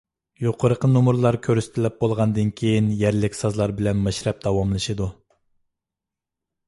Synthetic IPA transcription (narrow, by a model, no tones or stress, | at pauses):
joqʰəɾəqʰənumuɾlˠɑɾkʲʰøɾysɪ̥t̪ʰɪlɪp̚bolˠʁɑnd̪ɨnkʲʰejinjɛɾlɪkʲsɑzlˠɑɾbɪlɛnmɛʃɾɛp̚d̪̥ɑwɑmlˠɨʃɨd̪u